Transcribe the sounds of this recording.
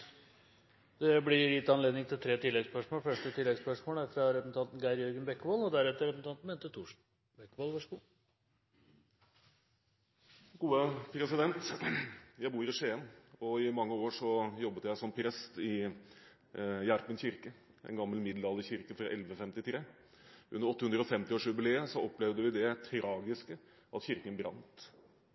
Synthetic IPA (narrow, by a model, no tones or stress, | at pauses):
d̪̥ɛblɪɾjɪt̪ːɑnleːd̪nɪŋt̪ʰɪlt̪ʰɾeːt̪ʰɪlːɛɡspœʂmoːlfœʂʈət̪ʰɪlːɛɡspœʂmoːlæɾfɾɑɾɛpəsn̩ɑnt̪nɡæɪɾjœɾɡənbɛkːʋoːlɔd̪æɾɛt̪ːəɾɛpəsn̩t̪ɑnt̪n̩mɛːnt̪ːət̪ʰuːʂ | bɛkːʋoːlʋɑʂəɡuː | ɡuːəpʰɾɛsɪd̪ɛnt̪ | jæɪbuːɾɪʂeːənɔɪmɑŋːəoːʂɔjɔbːət̪jæɪsɔmpʰɾɛst̪ɪ | jæɾpənçʏɾkə | ɛ̰nɡɑmːəlmɪd̪lɑːlːəçɪɾkəfɾɑʔɛlʋəfɛmt̪ɪt̪ʰɾeː | ʔʉnːəɾɔt̪ːəhʉnd̪ɾəɔfɛmt̪ɪoːʂjʉbɪleːəsɔɔplɛʋd̪əʋɪd̪ɛt̪ʰɾɑːɡɪskə | ʔɑt̪çɪɾkənbɾɑ̰nt̪